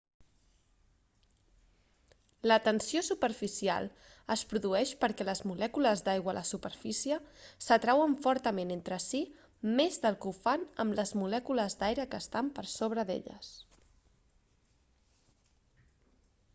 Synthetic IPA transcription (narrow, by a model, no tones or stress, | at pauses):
lət̪ənsiosupəɾfisia̰lˠ | əspɾuðuɛʃpəɾkɛləzmulɛkuləzd̪ajɣwələsupəɾfisiəsət̪ɾawəɱfɔɾt̪əmenent̪ɾəsi | mezðəlˠkufanəmləzmulɛkuləzd̪ajɾəkəːst̪ampəɾsoβ̞ɾəðḛʎə̰s